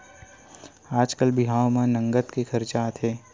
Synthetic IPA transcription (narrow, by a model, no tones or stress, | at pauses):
aːd͡ʒkəlbɪɦaːwmãnə̃ŋɡət̪kekʰəɾt͡ʃaːt̪ɦeː